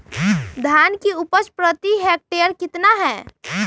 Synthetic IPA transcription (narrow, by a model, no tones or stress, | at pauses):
d̪ʱaːnkiupət͡ʃpɾət̪iɦɛk̚ʈejəɾkɪt̪naɦɛː